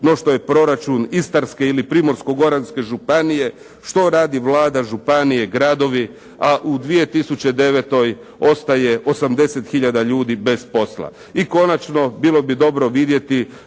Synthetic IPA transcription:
no̞ʃt̪o̞je̞pɾo̞ɾat͡ʃunist̪aɾske̞ilipɾimo̞ɾsko̞ɡo̞ɾanske̞ʒupanije̞ | ʃt̪o̞ɾaːd̪iʋlaːd̪aʒupanije̞ɡɾad̪o̞ʋi | aʔud̪ʋije̞t̪isut͡ɕe̞d̪e̞ʋet̪o̞j | o̞st̪aje̞ʔo̞samd̪e̞se̞t̪xiʎad̪aʎuːd̪ibe̞spo̞slˠa̰ | iko̞nat͡ʃno̞bilˠo̞bid̪o̞bɾo̞ʋid̪je̞t̪i

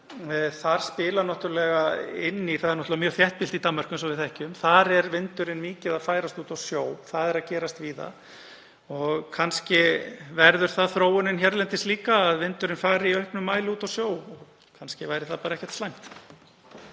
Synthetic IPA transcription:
θaɾ̥spɪːlanɔht̪ʏɾlɛɣaɪ̰nːiθaðɛɾnɔht̪ʏvamjœːɾθjɛht̪pilt̪it̪anmːaɾ̥kʏmsɔvɪðθɛhcʏmθaɾɛɾvɪnt̪ʏɾɪnmiːcɪðaðfaːjɾast̪uːt̪awsjoːwθaðɛɾaðcɛːɾast̪viːða̰ | ɔɣkʰanscɪvɛɾðʏɾ̥θaðθɾoːwʏnɪnçɛɾlɛnt̪ɪst̪liːkaːðvɪnt̪ʏɾɪnfaːɾɪiœhpnʏmːaːjlɪuːt̪awsjoːwɔɣ | kʰanscɪvajɾɪθaðpaːɾaɛhçcɛ̥t̪st̪ajŋ̥t̪

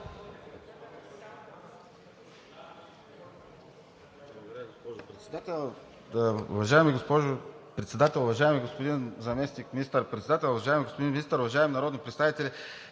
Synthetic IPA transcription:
bˠɐɡod̪ɾɡospɔʒʊpɾɛt̪sɛd̪at̪ɛlˠ | ʊ̰vɐʒaɛmiɡospɔʒʊpɾɛt̪sɛd̪at̪ɛlˠʊvɐʒaɛmiɡospʊd̪inzɐmɛsnikmʲinist̪əɾpɾʲɛt̪sɛd̪at̪ɛlˠʊvɐʒajɛmiɡospʊd̪inminist̪əɾʊvɐʒaɛminɐɾɔd̪nipɾt̪t̪avit̪ɛlʲi

